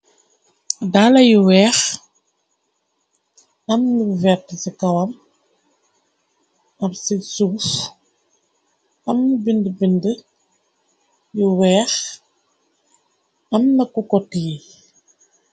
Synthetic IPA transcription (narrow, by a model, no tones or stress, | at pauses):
daːlɐjiwɛːx | ɐmnivɛtsikɐwɐm | ɐmsisuf | ɐmnibindəbində | jiwɛːx | ɐmnɐkukɔtii